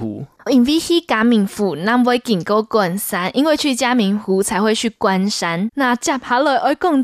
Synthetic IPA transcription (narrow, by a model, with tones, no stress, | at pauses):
ṵ˨˦ | i˨˩nvi˦hi˦˥ka˨˦mi˨˩ŋfu˨˩nã˥˧˨ŋwɔ˦ɪki˨˩ŋko˦kwa˥˨nsa˦nʔi˦nwe˥˧t͡ɕʰy˥˨t͡ɕja˦mi˨˦ŋxu˨˦t͡sʰa˨˦ɪxwe˥˧ɪt͡ɕʰy˥˨kwa˧nsa˦nːa˥˧˨t͡ɕja˥˧˩p̚ha˧˦lɔ˨˧˨ʔɔ˧˦kɔ˥˨ŋ